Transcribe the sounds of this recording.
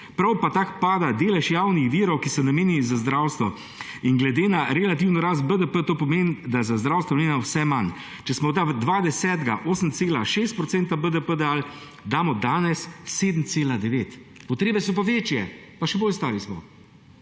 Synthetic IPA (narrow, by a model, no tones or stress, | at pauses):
pɾawpat̪aːkpaːd̪ad̪eːlɛʃjaːwnixʋiːɾɔwkisɔnameːnizazd̪ɾawst̪ʋɔ | iŋɡlɛd̪eːnaɾɛlat̪̬iːwnɔɾaːs̬t̪̚bəd̪əpət̪oːpɔmeːnd̪azazd̪ɾawst̪ʋɔnmeːnawsɛman | t͡ʃɛsmɔd̪ad̪ʋaːd̪ɛsɛːt̪ɡaʔoːsəmt̪seːlaʃeːs̬t̪̚pɾɔt̪sent̪abəd̪əpəd̪əal | d̪aːmɔd̪aːnɛsːeːd̪m̩t̪seːlad̪ɛʋeːt̪ | pɔt̪ɾeːbɛsɔp̬aʋeːt͡ʃjɛ | paʃɛboːlst̪aːɾismɔ̰